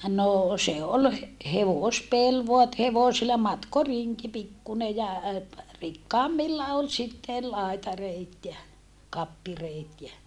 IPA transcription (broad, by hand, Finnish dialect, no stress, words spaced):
noː se ol he heʋoˑspel ʋoɑ et heʋosilːɑ mɑtkoriŋki pikːune jɑ rikːɑːmːilːɑ ol sitːe lɑitɑreit jɑ kɑpːireːt jæ